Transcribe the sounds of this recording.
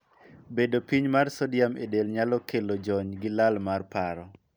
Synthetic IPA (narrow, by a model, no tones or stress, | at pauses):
bedopiɲmarsɔdjamedelɲalɔkʰelod͡ʒɔɲɡɪlalmarpaɾɔ